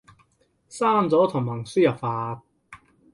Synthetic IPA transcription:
saː˥˩nt͡sɔː˨˥t̪ʰʊ˨˩hɐ˨˩ŋsyː˥jɐ˨pfaː˧t̪̚

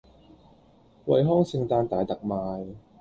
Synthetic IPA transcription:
wɐ̰˨˩jɦɔː˥ŋsɪ˧ŋt̪aː˧nt̪aː˨jt̪ɐ˨k̚maː˨˧j

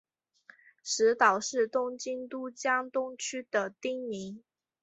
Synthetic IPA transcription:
ʂɻ̩˧˥t̪ɑ˨˩ʊʂɻ̩˥˩t̪ʊ˥ŋt͡ɕi˥nt̪u˥t͡ɕjɑ˥ŋt̪ʊ˥ŋt͡ɕʰy˥d̪̥ə˨t̪i˥ŋni˧˥ŋ

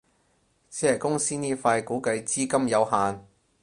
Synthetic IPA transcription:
sʰɛː˨˩kʊ˥ŋsiː˥niː˥faː˧jkuː˨˥kɐ˧jt͡siː˥kɐ˥mjɐ˨˧whaː˨n

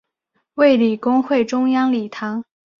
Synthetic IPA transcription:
we˥˩ɪli˨˩kʊ˥ŋxwe˥˩ɪʈ͡ʂʊ˥ŋjɑ˥ŋli˨˩t̪ʰɑ˧˥ŋ

